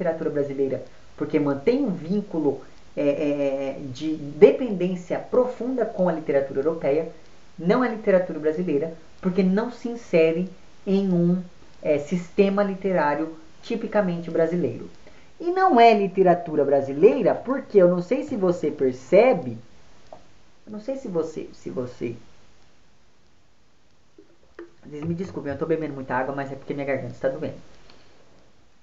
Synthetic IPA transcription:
it̪eɾat̪uɾɐbɾazilejɾɐ | poɾkemɐ̃nt̪ẽj̃ũvĩŋkulʊ | ɛʔɛɛd͡ʒɪd̪epẽnd̪ẽsiɐpɾofũnd̪ɐkõw̃ɐlit̪eɾat̪uɾɐewɾopɛjɐ | nɐ̃w̃ɛlit̪eɾat̪uɾɐbɾazilejɾɐ | poɾkenɐ̃w̃sɪĩsɛɾɪ̃ | ẽj̃ũ | ɛsist̪ẽmɐlit̪eɾaɾjʊ | t͡ʃipikɐmẽnt͡ʃɪbɾazilejɾʊ̰ | ɪnɐ̃w̃ɛlit̪eɾat̪uɾɐbɾazilejɾɐpoɾkeewnɐ̃w̃sejsɪvosepeɾsɛbɪ | ewnɐ̃w̃sejsɪvosḛsɪ̰vosḛ | zezmɪd͡ʒiskupẽewt̪obebẽnd̪ʊmũt̪ɐaɡwɐmɐzɛpoɾkeɐmĩɲɐɡaɾɡɐ̃nt̪ɐɪst̪ad̪uḛ̃nd̪ʊ

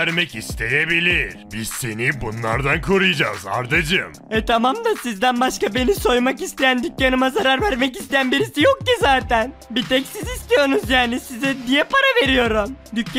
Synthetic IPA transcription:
æɾmɛcist̪ʰe̞jebilʲiɾ̥biz̥senibunlˠa̰ɾd̪ankʰoɾujd͡ʒa̰ːza̰ɾd̪ad͡ʒɯmɛt̪ʰamamd̪asizd̪ænbaʃkabe̞niso̞jmakist̪ʰe̞jænd̪ycːanɯmazaɾaɾvæɾmɛcist̪ejænbiɾisijok̚c̪izaːt̪ʰæn | bit̪ɛcsizist̪ijo̞nuzjaːnisizɛd̪ijɛpaɾave̞ɾijo̞ɾumd̪ycː

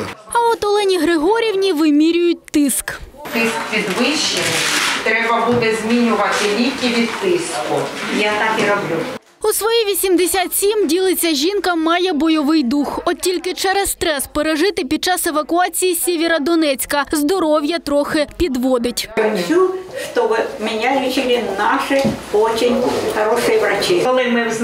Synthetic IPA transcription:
ɐɔt̪ɔlˠɛnʲiɦɾɪɦɔɾʲiwnʲiʋɪmʲiɾʲʊjʊt̚ʲt̪ɪskt̪ɪskpʲid̪ʋɪʃenɪt̪ɾɛbɐbud̪ɛzʲmʲinʲʊʋɐt̪ɪlʲijʲkʲiʋʲid̪ɪskʊjat̪ɑkiɾɔblʲu | usʋɔjiʋʲisʲimd̪esʲat̪sʲimdʲilˠɪt͡sʲːɐʒʲinkɐmɑjɛbɔjɔʋɪjd̪uxɔtʲilʲkɪt͡ʃɛɾɛsst̪ɾɛspeɾeʒɪt̪ɪpʲid̪̚t͡ʃɑseʋɐkʊɑt͡sʲijisʲɛʋʲeɾɐd̪ɔnɛt͡sʲkɐzd̪ɔɾɔwjɐt̪ɾɔxɪpʲid̪ʋɔd̪ɪtʲɐnʲuʃt̪ɔbɪmʲɪnʲalʲit͡ʃɪlʲɪnɑʃɪɔt͡ʃɪnʲxɐɾɔʃɪjiʋrɐt͡ʃɪɔlˠɪmɪz

